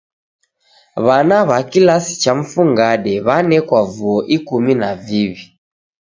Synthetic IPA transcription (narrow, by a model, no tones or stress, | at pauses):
βanaβakilasi̥t͡ʃam̩fuŋɡaɗɛβanɛkwavuɔʔikuminaviβi